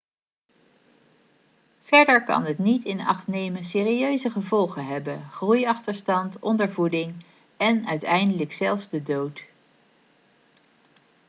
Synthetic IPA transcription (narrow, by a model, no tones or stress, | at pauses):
v̥ɛɹdəɹkɑ̰nətnitɪnɑ̰χtnejməns̬ɪːriøɥzəχəvɔlˠχənɦɛbənχrujɑχtəɹstɑntɔndəɹvudɪŋ | ɛnœɥtɛjndələksɛlˠfvzdədowt